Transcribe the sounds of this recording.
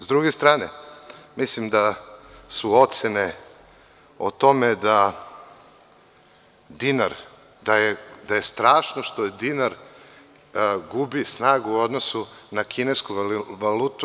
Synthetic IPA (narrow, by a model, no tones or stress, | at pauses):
zd̪ɾuɡest̪ɾaːnemislimd̪asuo̞t̪sene | o̰t̪o̞med̪a | d̪inaɾ | d̪ajed̪ajest̪ɾaːʃnoʃt̪od̪inaɾ | ɡubisnaːɡuːo̞d̪nosunakʰineskuʋalut̪u